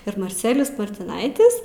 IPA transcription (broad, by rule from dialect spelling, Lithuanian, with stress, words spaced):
ɪr mɐrʲˈt͡sʲæːlʲɪjʊs mɐrʲtʲɪˈnɐɪtʲɪs